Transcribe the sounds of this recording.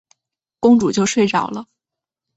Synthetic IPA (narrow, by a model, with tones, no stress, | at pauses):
kʊ˥ŋʈ͡ʂu˨˩t͡ɕjo˥˧ʊʂwe˥˩ɪʈ͡ʂɑ˨˩ʊlə˦